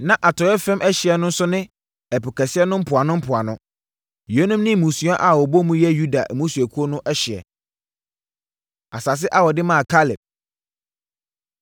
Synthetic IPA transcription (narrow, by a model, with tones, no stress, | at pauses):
nã˦ʔa˨tʰɔ˨˦ɛ˦fɛ̃˦mʔɛ˦ɕɪ˨ɛ˨nʊ̃˦n̩˦sʊ˦nɪ̃˦ | ɛ˨pʊ˨kɛ˨sɪ˦ɛ˦nʊ̃˦m̩˦pʰʊ˨a˨nʊ̃˦m̩˦pʰʊ˨a˨nʊ̃˦ | je˦nʊ̃˦mnɪ̃˦˨mũ˨su˨˦a˦ʔa˨wɔ˨bɔ˦mũ˦jɛ˦ju˦da˨ʔmũ˦su˨æ˨kʰu˦o˦nʊ̃˦ʔɛ˦ɕɪ˨ɛ̰˨ | a˨sa˨s̬ɪ˦ʔa˦wɔ˨dɪ˦mã˦˨kʰa˦lɪ˨p̚